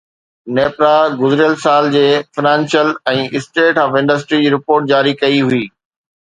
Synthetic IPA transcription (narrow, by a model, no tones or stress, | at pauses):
neːpɾaɡʊzɪɾijəlsaːld͡ʑeːfɪnãːnsjəlɛ̃ːɪsʈeːʈɔːfɪ̃ɳɖəs̬ʈɾid͡ʑiːɾɪpoːɾʈ̚d͡ʑaːɾikɐiɦʊiː